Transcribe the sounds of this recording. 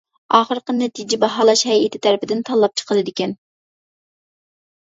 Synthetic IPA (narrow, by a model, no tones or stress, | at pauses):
ɑːχəɾqənːɛt̪ʰid͡ʒɪbɑɦɑːlˠɑʃhɛjɪt̪ʰɪ̥t̪ʰæɾɪpɪd̪ɪnt̪ʰɑlˠːɑp̚t͡ʃʰə̥qʰəlˠɨd̪ɪkʲɛn